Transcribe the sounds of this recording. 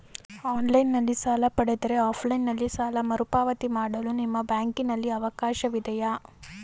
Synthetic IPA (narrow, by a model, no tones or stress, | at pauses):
aːnlɐjnːɐlːisaːlɐpɐɽed̪ɐɾe̞aːpʰlɐjnːɐlːisaːlɐmɐɾupaːʋɐt̪imaːɽɐlunimːɐbjaːŋkinɐlːiɐʋɐkaːʃɐʋid̪ʱɐjɐ